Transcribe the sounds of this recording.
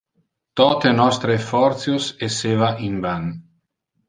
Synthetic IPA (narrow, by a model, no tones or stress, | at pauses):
t̪ɔt̪enɔst̪ɾefɔɾt̪sjosesevaʔimban